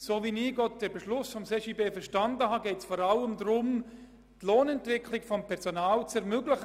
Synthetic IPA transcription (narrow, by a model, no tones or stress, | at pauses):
soːviniːɡɔt̚d̥ɛɾbɛʃlʊsfɔmseʃiːbeːfəɾʃtandəhaːɡɛɪtt͡sfɔɾaləmd̪ɾʊm | tloːnɛntvɪkʰlɪɡfɔmpʰɛɾsonaːlt͡sɛɾmøɡlɪχ